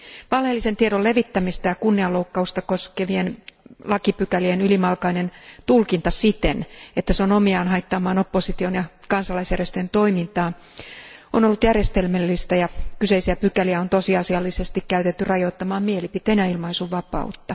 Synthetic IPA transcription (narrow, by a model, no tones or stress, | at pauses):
ʋɑlhelːise̞nt̪ieɾole̞ʋit̪ːæmist̪ɑjɑkunːiɑlːoukːɑust̪ɑko̞skeʋienlɑkipykælienylimɑlkɑine̞nt̪ulkint̪ɑsit̪enet̪ːæseonomiɑːnɦɑjt̪ːɑmɑːno̞pːosit̪ionjɑkɑnsɑlɑisjærjest̪øjent̪o̞imint̪ɑː | onolːut̪jærje̞st̪e̞lmelːist̪æjɑkyse̞isiæpykæliæo̞nt̪o̞siɑsiɑlːise̞st̪ikkæyt̪et̪ːyrɑjo̞t̪ːɑmɑːmmielipit̪ˑeːnjɑilmɑisuʋɑpɑ̰ut̪ːɑ